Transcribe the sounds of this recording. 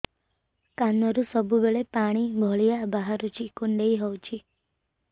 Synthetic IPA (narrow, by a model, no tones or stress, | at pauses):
kanːɔɾusɔbʱubeɭepaɽ̃ibʱɔɭijabaɦaɾut͡ʃʰikuɳɖeiɦɔwt͡ʃʰi